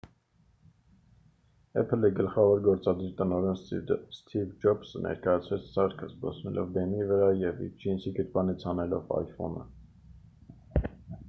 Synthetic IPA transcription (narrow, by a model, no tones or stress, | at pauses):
ɛpʰəliɡəlχɑvɔɾɡɔɾt͡sɑd̪iɾt̪ənɔɾɛnsst̪ʰivd͡ʒɔbsənʔɛ̰ɾkɑjɑt͡sʰvɛt͡sʰsɑɾkʰəzbɑ̰snɛ̰lʔɔ̰vb̪ɛmivəɾɑjɛvḭd͡ʒinsiɡət̪bɑnit͡sʰhɑnɛlɔvɑ̰jfɔ̰nə̰